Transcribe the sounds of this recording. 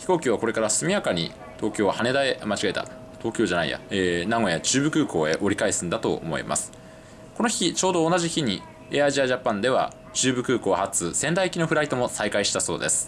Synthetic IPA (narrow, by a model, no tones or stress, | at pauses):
çi̥ko̞ːkʲiβ̞ako̞ɾe̞kaɾasɨmʲijakaɲ̟ḭ | t̪o̞ːkʲo̞ːβahane̞d̪aemat͡ɕiɡae̞t̪a̰ | t̪o̞ːkʲo̞ːʑanaḭja̰eːnaɡo̞jat͡ɕɨːbɯ̟kɯ̟ːko̞ːe̞ʔo̞ɾʲikaisɨ̃nd̪at̪o̞̰o̰mo̞̰ḭma̰sɨ̥ | ko̞noçʲit͡ɕo̞ːd̪o̞ːnaʑiçiɲ̟i | eːaiʑiaʑapːãnd̪e̞βa̰ | t͡ɕɨːbɯ̟kɯ̟ːko̞ːhat͡sɨsẽ̞nd̪aikʲino̞ɸɯ̟ɾait̪o̞mo̞saikaiɕi̥t̪aso̞ːd̪e̞sɨ̥